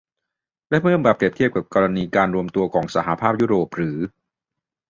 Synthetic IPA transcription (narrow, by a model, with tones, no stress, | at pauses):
lɛ˦˥mɯ˥˩əmbaː˨˩p̚ɾi˨˩t̪ʰi˥˩əp̚ka˨˩p̚kɔː˧ɾa˧niː˧kaː˧nɾu˧əmt̪u˧ɐkʰɔː˩˦ŋsa˧ɦa˨˧˦pʰaː˥˩p̚juː˦˥ɾoː˨˩p̚ɾɯː˩˦